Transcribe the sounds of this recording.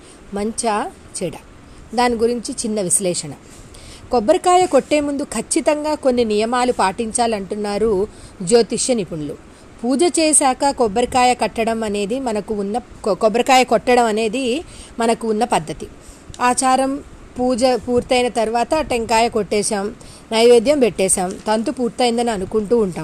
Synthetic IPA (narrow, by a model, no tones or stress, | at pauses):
mɐɲt͡ʃɐ | t͡ʃɛɽɐ | d̪aːniɡuɾiɲt͡ʃit͡ʃinːɐʋislɛːʂɐnɐ | kɔbːɐɾkaːjɐko̞ʈːe̞ːmund̪ukʰɐt͡ʃːit̪ɐŋɡaːko̞nːinijɐmaːlupaːʈiɲt͡ʃaːlɐɳʈunːaːɾud͡ʒo̞ːt̪iʂjɐnipuɳlu | puːd͡ʒɐt͡ʃɛːʃaːkɐkɔbɐɾikaːjɐkɐʈːɐɽɐmɐne̞ːd̪imɐnɐkuunːɐkɔbɐɾɐkaːjɐkɔʈːɐɽɐmɐne̞ːd̪imɐnɐkuːnːɐpɐd̪ʱːɐt̪i | aːt͡ʃaːɾɐm | puːd͡ʒɐpuːɾt̪ɐjnɐt̪ɐɾuʋaːt̪ɐʈeŋkaːjɐkoʈːɛːʃaːm | nɐjʋe̞ːd̪jɐmpeʈːɛːʃaːmt̪ɐnt̪upuːɾt̪ɐjnd̪ɐnɐnukuɳʈuːɳʈaːm